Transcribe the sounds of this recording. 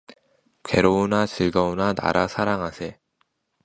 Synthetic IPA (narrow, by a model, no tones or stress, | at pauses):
kwe̞ɾounat͡ɕɯɭɡʌunana̰ɾasʰaɾaŋɦasʰe